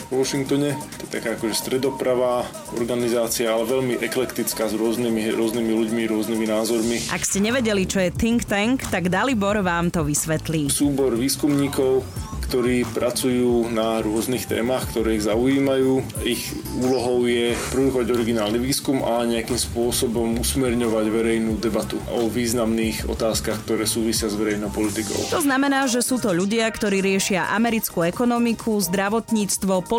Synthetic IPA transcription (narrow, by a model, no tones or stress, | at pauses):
ʋʊɔʃiŋk̚t̪ɔɲɛt̪ɔjɛt̪a̰kaːakɔʒɛst̪ɾɛd̪ɔpɾaʋa | ɔ̰ɾɡanizaːt͡siaalɛʋɛʎmiʔɛklɛkt̪it͡skaːzɾʊɔznimiɾʊɔznimiluɟmiɾʊɔzniminaːzɔɾmiʔa̰kscɛɲɛʋɛɟɛlit͡ʃɔjɛt̪iŋkt̪ɛŋkt̪aɡd̪alibɔɾʋaːmt̪ɔʋisʋɛt̪liːsuːbɔɾʋiːskumɲiːkɔʊkt̪ɔɾiːpɾat͡sujuːnaɾʊɔznixt̪ɛ̰ːmaxkt̪ɔɾɛːiɣzaujiːmajuːix | uːlɔɦɔʊjɛpɾiukɔʋaɟɔɾiɡinaːlniʋiːskumaɲɛakiːmspʊɔsɔbɔmusmɛɾɲɔʋaɟʋɛɾɛjnuːd̪ɛbat̪uɔʋiːznamniːɣɔ̰t̪aːskaxkt̪ɔɾɛːsuːʋisɪazʋɛɾɛjnɔʊpɔlit̪ikɔ̰ʊt̪ɔznamɛnaːʒɛsuːt̪ɔʎuɟɪakt̪ɔɾiːɾɪɛʃɪaʔamɛɾit͡skuɛkɔnɔmikʰuzd̪ɾaʋɔt̪ɲiːt͡st̪ʋɔpɔ